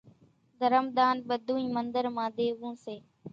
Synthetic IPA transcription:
d̪ʱəɾəmd̪aːnɓəd̪ʱũːĩːmənd̪əɾmãːd̪eːʋũːseː

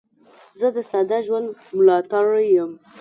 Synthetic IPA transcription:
zəd̪əsad̪aʒwand̪mʊlɑt̪aɽjəm

